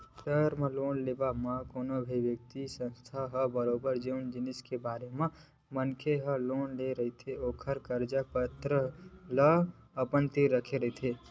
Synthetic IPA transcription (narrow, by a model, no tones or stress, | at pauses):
ʈəɾmẽloːnleːbamãkoːnobʱiʋjək̚t̪isə̃nst̪ʰaɦəbəɾoːbəɾd͡ʒeʊnd͡ʒɪnɪskebaːɾemẽ | mənkʰeɦəloːnleɾəɦit̪ʰeoːkʰəɾkəɾd͡ʒapət̪ɾələ | əpənt̪iɾəkʰeɾəɦit̪ʰe